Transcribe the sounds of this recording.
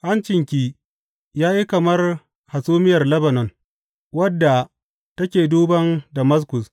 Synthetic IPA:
ha˦nt͡ʃɪ˨ŋkʲiː˦ | jaː˦ji˦kɐ˨mɐ˦r | ha˨suː˦mɪ˦jɐ˨rlɐ˦bɐ˨nɔ˨ŋ | wɐ˦dːa˨ | tɐ˦kʲeː˨duː˦bɐ˦ndɐ˨mɐ˦s̬kʊ˨s

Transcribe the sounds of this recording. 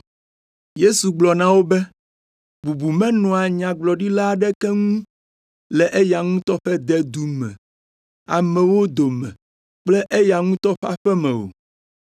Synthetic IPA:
je˦su˨ɡ͡blɔ˨nã˦wo˦bɛ˦ | bu˨bu˨mɛ̃˦nɔ̃˨a˨ɲã˨ɡ͡blɔ˨ɖi˦la˦˨ɖɛ˦kɛ˦ŋũ˦ | lɛ˨ʔɛ˦ja˨ŋũ˦t̪ɔ˦ɸɛ˦d̪ɛ˦d̪u˨mɛ̰̃˨ | a̰˨mɛ̃˨wo˦d̪o˨mɛ̰̃˨ | k͡plɛ˦ʔe˦ja˨ŋũ˦t̪ɔ˦ɸa̰˦ɸɛ˦mɛ̃˨wo̰˨

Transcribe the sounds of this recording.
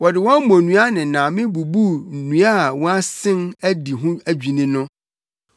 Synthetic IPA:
wɔ˨dɪ˨wɔ̃˦m̩˦mɔ̃˨nũ˨a˦nɪ̃˨nã˨mɪ̃˦bu˨bu˦n̩˨nũ˨a˦˨wɔ̃˦a˦sɪ̃˦næ˦di˨ɦʊ̃˦æ˦d͡ʑᶣi˨nɪ̃˦nʊ̃˦

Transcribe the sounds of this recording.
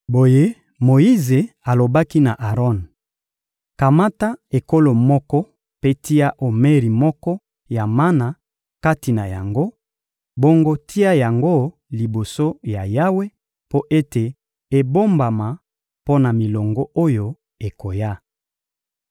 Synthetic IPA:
bo˨je˦ | mo˨i˦ze˨a˨lo˨ba˦ki˦na˨ʔa˨ʁɔ˦n | ka˨ma˦ta˦e˨ko˦lo˨mɔ˦kɔ˦ | pe˦ti˦a˦ʔo˨me˦ʁi˨mɔ˦kɔ˦ | ja˨ma˦na˨ | ka˦ti˨na˨ja˨ŋɡo˦ | bo˦ŋɡo˦tʰi˦a˦ja˨ŋɡo˦ | li˨bo˨so˦ja˨ja˦we˦ | po˦ʔe˦te˨ | e˨bo˦mba˨ma˨ | po˦na˨mi˨lɔ˨ŋɡɔ˦ʔo˦jo˦ | e˨ko˨ja˦

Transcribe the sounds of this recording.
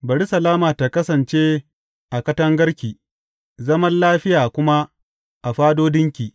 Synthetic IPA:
bɐ˨ɽi˦sɐ˨laː˦maː˨ta˨kɐ˦sɐ˨nt͡ʃeː˦ | ʔa˨kɐ˦tɐ˦ŋɡɐ˦ɽkʲiː˨ | zɐ˦mɐ˦nlaː˦ɸɪ˦jaː˨kʷʊ˦ma˦ | ʔa˨ɸaː˦doː˦dɪ˦ŋkʲiː˨

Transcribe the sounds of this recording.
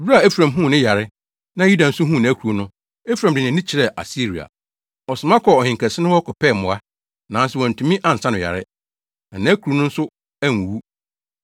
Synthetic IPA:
ba˦a˨e˦fɾã˨mɦũ˦˨nɪ̃˦ja˨ɾɪ˦ | nã˦i˦dã˨n̩˦sʊ˦ɦũ˦˨nã˨˦kʰu˨ɾo˨nʊ̃˦ | e˦fɾã˨mdɪ˨nɪ̃˨nɪ̃˦t͡ɕʰɪ˨ɾɛ˦ʔa̰˨si˦ɾi˨a̰˨ | ɔ˨sʊ˨mã˦kʰɔ˨ɔ˨hɪ̃˨ŋkʰɛ˨sɪ˦nʊ̃˦wɔ˦kʰɔ˨pʰɛ˦˨mʊ̃˨a˦ | nã˨˦sɪ˦wɔ̃˨n̩˨tʰũ˨mĩ˦ʔã˦˨n̩˨sa˦nʊ̃˨ja̰˨ɾɪ˦ | nã˨nã˦kʰu˨ɾo˨˦nʊ̃˦n̩˦sʊ˦ | æ˦˨n˨wu˦

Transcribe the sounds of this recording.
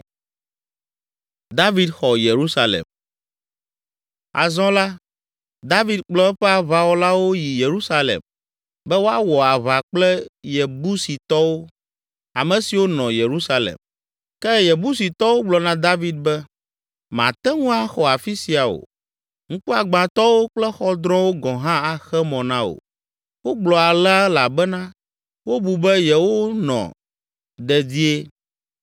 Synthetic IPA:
d̪a˦vi˦d̪xɔ˨je˨ɾu˦sa˦lḛ˨m | a̰˨zɔ̃˦la˦ | d̪a˦vi˦d̪̚k͡plɔ˦ɛ˦ɸɛ˦a˨βa˨wo˦la˦wo˦ji˨je˨ɾu˦sa˦lḛ˨m | bɛ˦wo˦a˦wɔ˨a˨βa˨k͡plɛ˦jɛ˨bu˦si˨t̪ɔ˦wo˦ | a˨mɛ̃˨si˨wo˦nɔ̃˨je˨ɾu˦sa˦lḛ˨m | kɛ˦jɛ˨bu˦si˨t̪ɔ˦wo˦ɡ͡blɔ˨nã˦d̪a˦vi˦d̪̚bɛ˦ | mã̰˨t̪ɛ˦ŋũ˦a˦xɔ˨a˨fi˦si˨a˨o̰˨ | ŋ̩̃˦ku˦a˨ɡ͡bã˨t̪ɔ˦wo˦k͡plɛ˦xɔ˦d̪ɾɔ̃˦wo˦ɡɔ̃˨ɦã˦a˨xɛ˦mɔ̃˨nã˦o̰˨ | wo˦ɡ͡blɔ˨a˨lɛ˦la˨bɛ˦nã˦ | wo˦bu˨bɛ˦jɛ˨wo˦nɔ̰̃˨ | ɖɛ˨d̪i˦e˦

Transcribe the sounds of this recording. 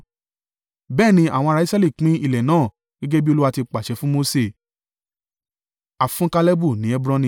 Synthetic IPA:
bɛː˦˨nĩ˧ʔa̰˨w̃ɔ̃˧ɾa˧˨˦sɾɛ˦li˦˨k͡pĩ˦i˦˨lɛ˨nãː˦˨ | ɡ̥ɛ˦ɡe˦bi˦o˧lu˦wa˧ti˧k͡pa˨ʃɛ˨˦fũ˦mo˧se˦˨ | a˨fũ˦ka˧le˦bu˦˨nĩ˨˦ɛ˦bɾɔ̃˦nĩ˧˦

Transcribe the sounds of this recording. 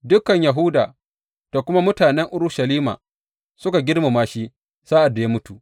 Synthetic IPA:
dʊ˦kɐ˨ɲja˨ɦʊ˦daː˨ | d̥a˨kʷʊ˦ma˦mʊ˦taː˨nɛ˦ŋʔʊ˦ɾʊ˦ʃɐ˨liː˦ma̰ː˨ | sʊ˦ka˨ɡʲɪ˦rma˨maː˦ʃi˦ | saː˦ʔa˨dːa˨jaː˦mʊ˦tu˨ʔ

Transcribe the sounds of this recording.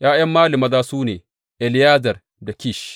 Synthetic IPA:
jʔaː˦jɐ˦mːaː˦lɪ˨mɐ˦zaː˦suː˦neː˨ | ʔɛ˨ljaː˦zɐ˨r | da˨kʲɪ˦ʃ

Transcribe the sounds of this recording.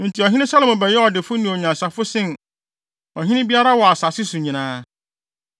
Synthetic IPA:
nɪ̃˨n˨tʰi˨ɔ˨ɦɪ̃˦nɪ̃˦sa˦lõ˨mɔ̃˨bɛ˨jɛ˦ɔ˨dɪ˨fʊ˦nĩ˨o˨ɲᶣ˨ã˨sa˨fʊ˦sɪ̃˦n | ɔ˨ɦɪ̃˦ɪ̃˦bi˦a˦ɾa˦wɔ˨a˨sa˨sɪ˦su˨ɲĩ˨nãː˦

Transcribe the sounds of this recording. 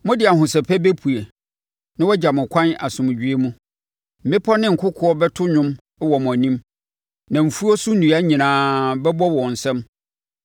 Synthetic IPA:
mʊ̃˦dɪ˨a˨ɦʊ̃˨sɛ˨pʰɛ˦be˦pʰu˨e˨ | nã˦wɔ˦d͡ʑa˨mʊ̃˨kʰʷã˦na˨sʊ̃˨m˨d͡ʑᶣɥe˦mũ˦ | m̩˨mɪ̃˦pʰɔ˦nɪ̃˦ŋ̩˨kʰʊ˦kʰɔ˦ɔ˦bɛ˦tʰʊ˦ɲʊ̃˦m˦ | wɔ˨mʊ̃˨a˨nĩ˦m | nã˨m̩˨fu˦ɔ˦sʊ˦n̩˦nũ˨a˦ɲĩ˨nãː˦bɛ˦bɔ˦wɔ˨n̩˨sɛ̃˦m

